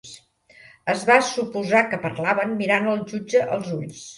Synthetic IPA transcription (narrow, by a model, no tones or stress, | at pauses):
əzβasupuzakəpəɾlaβənːiɾanəlˠʒud͡ʒəʔəlˠzuʎs